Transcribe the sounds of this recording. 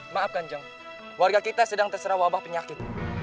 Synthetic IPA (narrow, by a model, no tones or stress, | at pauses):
maʔːp̚kaɲd͡ʒaŋ | warɡakit̪asədaŋt̪ərsəɾawabahpəɲakɪt̪̚